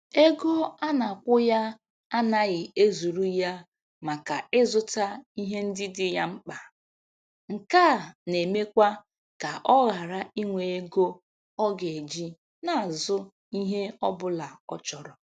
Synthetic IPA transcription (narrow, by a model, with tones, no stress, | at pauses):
e˦ɡo˦a˦na˨kʷʊ˦ja˦ | a˦na˨ɣɪ˨e˦zu˨ɾu˦ja˦ | ma˨ka˨ɪ˦zʊ˦ta˦i˦ɦe˦n̩˦dɪ˦dɪ˦ja˦ŋ͡m̩˦k͡pa˨ | ŋ̩˨ka˦˨ne˨me˦kʷa˦ | ka˨ʔɔ˦ɣa˨ɾa˦i˦ŋʷe˨e˦ɡo˦ | ɔ˦ɡe˨d͡ʒi˦ | na˨a˨zʊ˦ | i˦ɦe˦ɔ˦bʊ˦la˨ɔ˦t͡ʃɔ˨ɾɔ˨